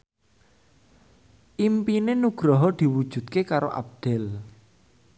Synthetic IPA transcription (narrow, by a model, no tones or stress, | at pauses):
ʔimpinenuɡ̥ɾɔɦɔd̪̥i̤wud̥ʒ̥ṳd̪̚kekaɾoʔa̰b̚d̪̥ɛl